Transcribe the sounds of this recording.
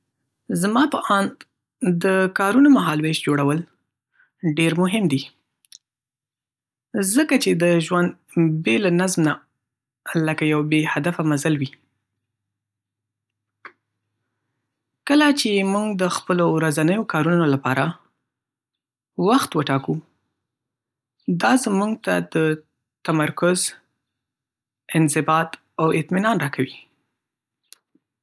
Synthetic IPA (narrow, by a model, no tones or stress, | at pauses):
zmɑpəʔɑnd̪ | d̪əkɑɾunomaɦɑlweʃd͡ʒoɽawəl | ɖeɾmʊɦɪmd̪i | zəkat͡ʃed̪əʒwand̪belanazmna | ləkajawbehad̪afamazalwi | kəlat͡ʃemuŋɡd̪əxpəlowɾazanəjokɑɾunolapɑɾa | waxt̪wəʈɑku | d̪ɑzmuɡt̪a̰d̪ə | t̪amaɾkʊz | ɪnzɪbɑt̪ | awɪt̪minɑnɾɑkawi